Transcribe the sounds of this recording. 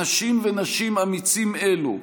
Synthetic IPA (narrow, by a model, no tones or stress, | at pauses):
aʃimvenaʃimamit͡simelṵ